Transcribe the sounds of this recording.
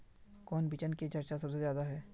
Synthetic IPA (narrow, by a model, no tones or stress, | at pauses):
kɔːnbit͡ʃənket͡ʃɐɾt͡ʃas̬ɐbs̬ezjaːd̪aɦɛː